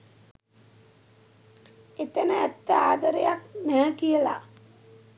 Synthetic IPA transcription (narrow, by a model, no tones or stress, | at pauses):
et̪ənəæt̪ːəaːd̪əɾəjak̚næːkijəla̰